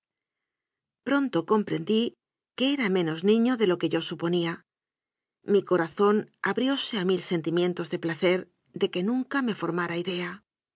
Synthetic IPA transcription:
pɾo̞nt̪o̞ko̞mpɾe̞nd̪i | keeɾamẽ̞no̞znĩɲo̞ðe̞lo̞ke̞ʝo̞supo̞nia | miko̞ɾaθo̞naβɾjo̞se̞amilse̞nt̪imje̞nt̪o̞zðe̞plaθe̞ɾ | d̪e̞ke̞nũŋkame̞fo̞ɾmaɾaiðe̞a

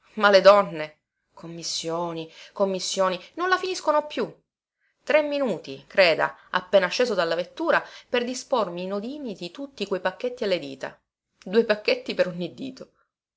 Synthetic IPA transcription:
maled̪ɔnːe | kʰomːisːjoːnikomːisːjoːninonlafiniskonopju | t̪ɾemːinuːt̪ikɾeːd̪a̰a̰pːeːnat͡ʃeːzod̪alːavet̪ːuːɾaperd̪ispormiːnod̪iːnid̪it̪ut̪ːikwejpakːet̪ːialːed̪ḭːt̪a̰ | d̪uːepakːet̪ːipeɾoɲːid̪ḭːt̪o

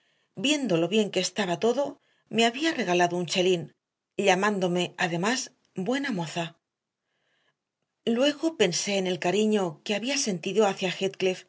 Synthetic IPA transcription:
bje̞nd̪olo̞βje̞ŋke̞ːst̪aβat̪o̞ðo̞ | me̞aβiare̞ɣ̞alaðo̞unʲt͡ʃe̞lin | ʎamãnd̪o̞me̞aðe̞mas | bwe̞namo̞θa | lwe̞ɣo̞pe̞nse̞ːne̞lkaɾiɲo̞ke̞aβiase̞nt̪iðo̞aθjaxet̪̚klef

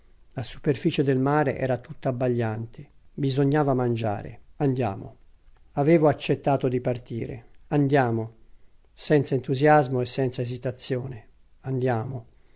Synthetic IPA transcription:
lasu̥perfiːt͡ʃed̪elmaːɾḛʔɛ̰ːɾat̪ut̪ːaːbːaʎːant̪ʰebizoɲːaːvamand͡ʒa̰ːɾḛand̪ja̰ːmo̰ | aveːvoat͡ʃːet̪ːaːt̪od̪ipart̪iːɾḛand̪jaːmo | sɛnt̪saent̪uzjazmoesːɛnt̪saezit̪at̪sːjoːne | and̪jaːmo

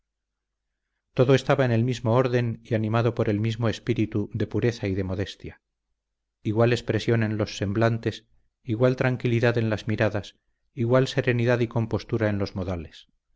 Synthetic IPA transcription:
t̪o̞ðoe̞st̪aβaene̞lmizmoo̞ɾðe̞nianĩmaðo̞po̞ɾʔe̞lmizmo̞espiɾit̪uðe̞puɾe̞θaiðe̞mo̞ðe̞st̪ja | iɣwale̞spɾe̞sjo̞nẽ̞nlo̞sːe̞mblant̪e̞s | iɣwalt̪ɾaŋkiliðaðe̞nlazmiɾaðas | iɣwalse̞ɾe̞niðaðiko̞mpo̞st̪uɾae̞nlo̞zmoðales

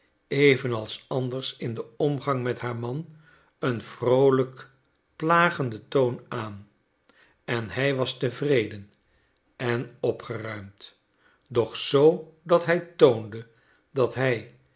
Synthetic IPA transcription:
ejvənɑlˠsɑndərsɪndəɔmχɑŋmɛtɦaːɹmɑn | ənv̥rowlək | plaːχəndətownaːn | ɛnɦɛjʋɑstəvrejdən | ɛnɔpχərœɥmt | dɔχsowdɑtɦɛjtowndə | dɑtɦɛj

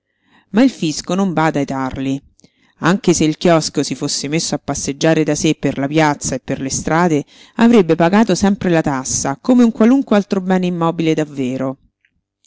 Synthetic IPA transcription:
mailfiskonoɱbaːd̪aet̪arli | aŋkeseilk̟jɔskosifosːemesːoapːasːed͡ʒːaːɾed̪asepːerlapjat̪sːaepːerlest̪ɾaːd̪e | avɾebːepaɡaːt̪osɛmpɾelat̪asːakomeuŋkwaluŋkwealt̪ɾobɛːneimːɔːbiled̪avːeːɾo

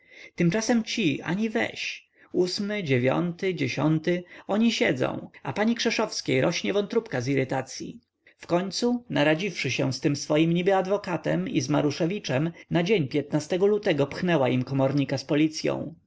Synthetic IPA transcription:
t̪ɘmt͡ʂasɛmt͡ɕia̰ɲivɛ̰ɕ | usmɘd͡ʑevʲjɔ̰nt̪ɘd͡ʑeɕɔnt̪ɪɔɲiɕɛd̪zɔ̰̃w̃apaɲikʂɛʂɔfskʲejɾʔɔɕɲɛvɔnt̪ɾupkaziɾɘt̪at̪sʲjḭ | fkɔɲt̪sunaɾad͡ʑifʂɘɕɛst̪ɘmsfɔjimɲibɘad̪vɔkat̪ɛ̰mḭzma̰ɾuʂɛvʲit͡ʂɛmnad͡ʑeɲpʲjɛt̪nast̪ɛɡɔlut̪ɛɡɔpxnɛwaimkɔmɔɾɲikaspɔlʲit̪sʲjɔ̰̃w̃

